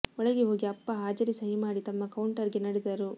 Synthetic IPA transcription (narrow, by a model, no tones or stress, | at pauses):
ɔɭɐɡeɦo̞ːɡiɐpːɐɦaːd͡ʒɐɾisɐɦimaːɽit̪ɐmːɐkɐwuɳʈɐɾɡenɐɽɛd̪ɐɾu